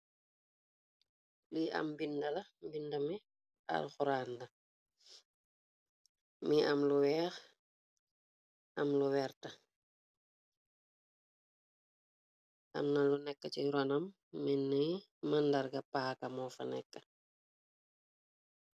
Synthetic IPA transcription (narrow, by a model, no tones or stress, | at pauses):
liʔɐ̰mbindɐlɐmbindɐmi | ɐ̰lxuɾaːndɐ | miʔɐmluwɛːx | ɐmluwɛrtɐ | ʔɐ̰mnɐlunɛkːət͡ʃiɾɔnɐmː | ɛnːə | mɐndɐɾɡɐpaːkɐmɔfɐ̰nɛkːə